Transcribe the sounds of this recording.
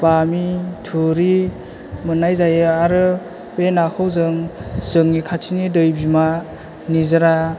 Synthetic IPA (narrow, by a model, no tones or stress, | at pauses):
b̥amitʰuɾi | mɯnajzajɯaɾɯ | penakʰɯwzɯŋzɯŋnikʰatʰinidɯjbima | nizɯɾa